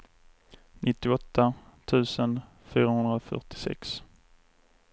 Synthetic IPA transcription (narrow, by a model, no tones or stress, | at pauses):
nʔɪt̪ːɪɔt̪ʰːat̪ʰʉ̟ːsən | fyːɾahɵnd̪ɾaɔfœ̰ʈɪ̥sɛ̰ks